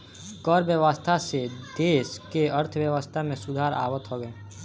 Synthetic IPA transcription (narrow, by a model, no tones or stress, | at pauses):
kɔɾbjəwəst̪ʰased̪eːʃkeəɾt̪ʰwjəwəst̪ʰamẽsʊd̪ʱaːɾa̰ːwət̪ɦoːɡəe